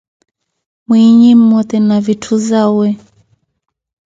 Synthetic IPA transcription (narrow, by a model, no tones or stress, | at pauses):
mwiɲim̩mɔt̪ɛnavitʰuzawɛ